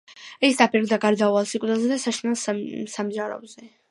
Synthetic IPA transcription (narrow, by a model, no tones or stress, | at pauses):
ɛsd̪apʰiɾɡd̪aɡaɾd̪avalˠsikʼd̪ɛlˠzɛd̪asaʃnɛlˠssamʒaɾɔ̰bzɛ